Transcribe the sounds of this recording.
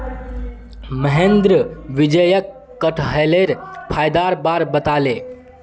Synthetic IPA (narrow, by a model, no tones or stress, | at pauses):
məɦẽnd̪ɾəʋid͡ʒəjəkː | əʈʰɦəleɾpʰaːjd̪aɾbaːɾbət̪ale